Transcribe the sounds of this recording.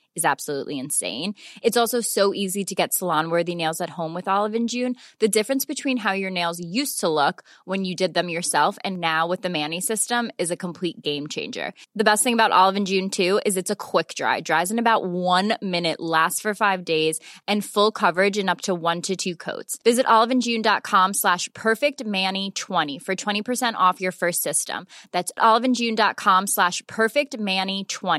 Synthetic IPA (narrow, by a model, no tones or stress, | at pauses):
ɨzæb̥səlṵʔliɨ̃nsḛ̃ɪ̃nɨtsɔlˠsoʊsoʊʔiziɾɨɡɛtsəlɑ̃nwɜ˞ðineɪlˠzɨt̚hõʊ̃mwɨðɑlˠəvɨ̃nd͡ʒʉ̃nðɨdɪfɹɨ̃nsb̥ɨtʰw̥ĩnɦaʊjə˞neɪlˠzjʉstʰəlʊk | wɨ̃njɨdɨd̪̚ðɨ̃mjə˞sɛlˠfɨ̰̃nːaʊwɨðɨmæ̃nisɪstə̃mɨzɨkʰə̃m̩pʰl̥it̚ɡ̥ẽɪ̃mt͡ʃʰḛ̃ɪ̃nd͡ʒə̰˞ðɨbɛst̚θɪ̃ŋəbaʊɾʔɑ̰lˠəvɨ̃n̩d͡ʒʉ̃ntʰʉɪzɨtsəkʰw̥ɪk̚d̥ɹa̰ɪvdɹaɪvzɨ̃nɨbaʊʔ̚wʌ̃nmɪ̃nɨʔlæstfə˞faɪvdeɪzɨ̃nfʊlˠkʰʌvə˞ɨd͡ʒɨ̃nʌp̚tʰəwʌ̃ntʰɨtʰʉkʰo̰ʊtsvɪzɨɾʔɑlˠəvɨ̃nd͡ʒʉ̃ndɑt̚kʰɑ̃mslæʃpʰɜ˞fɪk̚t̚mænitʰw̥ɛ̃ɾ̃ifə˞tʰw̥ɛ̃ɾ̃ipʰə˞sɛ̃ñtɔfjə˞fɜ˞stsɪstə̰̃mðætsɑlˠəvɨ̃nd͡ʒʉ̃ndɑt̚kʰɑ̃mslæʃpʰɜ˞fɪk̚t̚mænitʰw̥ɛ̃ñ